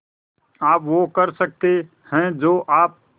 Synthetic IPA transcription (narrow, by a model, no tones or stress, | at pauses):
aːpʋokɐɾsək̚t̪e | hɛ̃d͡ʒoːʔaːp̚